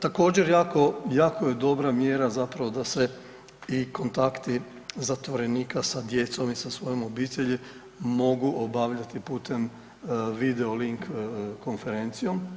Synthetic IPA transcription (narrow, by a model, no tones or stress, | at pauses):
t̪ako̞ːd͡ʑe̞ɾjaːko̞jaːkoje̞d̪o̞bɾamjeɾazapɾaʋo̞d̪ase̞ | iko̞nt̪akt̪i | zat̪ʋo̞ɾe̞niːkasad̪je̞t̪so̞misasʋo̞jomo̞biːt̪eʎi | mo̞ɡuʔobaʋʎat̪ipuːt̪e̞m | ʋid̪eoliŋkko̞nfe̞ɾe̞nt̪sijo̞m